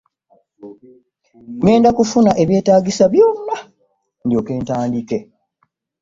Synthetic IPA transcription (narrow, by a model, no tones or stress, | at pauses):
ŋe̞ːndakufunaʔe̞βje̞ːtaːɡisaβjo̞ːnːa | ndjo̞ːke̞ːntaːndike̞